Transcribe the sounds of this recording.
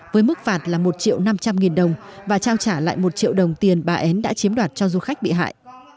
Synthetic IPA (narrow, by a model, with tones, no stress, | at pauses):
vəː˨˦jmɨ˦˥k̚faː˨˩t̚laː˨˩mo˨˩t̚t͡ɕḭ˧˨əwna˧mt͡ɕa˧mŋi˨˩nɗə˨˩wŋ͡mvaː˨˩t͡ɕaː˧wt͡ɕaː˧˩la̰ː˧˨jmo˨˩t̚t͡ɕḭ˧˨wɗə˨˩wŋ͡mt̪i˨˩ənɓaː˨˩ʔɛ˨˦nɗa̰ː˧˥t͡ɕi˨˦əmɗwaː˨˩t̚t͡ɕɔ˧zu˧xa˦˥jk̟̚ɓḭ˧˨ɦa̰ː˧˨jʔ